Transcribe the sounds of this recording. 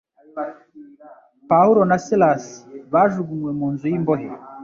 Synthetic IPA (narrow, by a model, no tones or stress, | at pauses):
pahuɾo̞nasilasβaːʒuɡumwe̞muːnzujimboɦḛ